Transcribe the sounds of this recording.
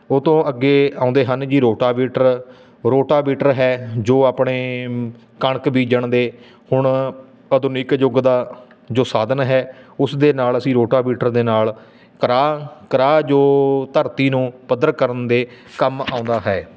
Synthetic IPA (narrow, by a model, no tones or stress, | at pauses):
oːt̪õːʔəɡːeːãːʊ̃nd̪eːɦənd͡ʒiːɾoːʈaːbiːʈəɾ | ɾoːʈaːbiːʈəɾɦɛːd͡ʒoːaːpɳeː | kəɳkbiːd͡ʒəɳd̪eː | hʊɳ | əd̪ʊnikd͡ʒʊɡd̪aː | d͡ʒoːsaːd̪ənɦɛːʊsd̪eːnaːləsĩːɾoːʈaːbiːʈəɾd̪eːnaːl | kəɾaːkəɾaːd͡ʒoːt̪əɾt̪iːnũːpəd̪əɾkəɾənd̪eː | kəma̰ːʊ̃nd̪aːɦɛː